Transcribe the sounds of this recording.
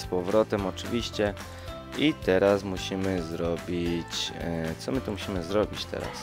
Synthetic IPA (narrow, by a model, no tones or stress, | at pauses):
spɔvɾɔt̪ɛmɔt͡ʂɘvʲiɕt͡ɕɛ | it̪ɛɾasmuɕimɘzɾɔbʲit͡ɕt̪sɔmɘt̪umuɕimɘzɾɔbʲit͡ɕt̪ʰɛ̰ɾa̰s